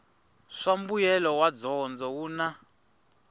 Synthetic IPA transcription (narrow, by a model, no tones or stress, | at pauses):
ʂambujɛlɔwad͡zɔnd͡zɔwuːna